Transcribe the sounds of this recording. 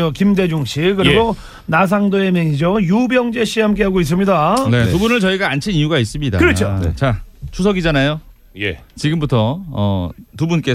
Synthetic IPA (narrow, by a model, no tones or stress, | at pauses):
okimde̞d͡ʑuŋɕʰikɯɾiɡo | nas̬ʰaŋdoe̞mjeŋid͡ʑojubjʌŋd͡ʑe̞ɕʰihamk͈e̞ɦaɡois̬͈ɯmɲidanetubunɯɭt͡ɕʌiɡaant͡ɕʰinijuɡais͈ɯmɲidakɯɾʌt͡ɕʰoet͡ɕat͡ɕʰusʰʌɡid͡ʑanajo | jḛt͡ɕiɡɯmbutʰʌʌ̰tubunk͈e̞